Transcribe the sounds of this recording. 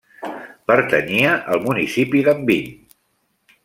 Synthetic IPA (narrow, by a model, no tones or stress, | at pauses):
pəɾt̪əniəʔəlˠmunisipiðəmbiɲ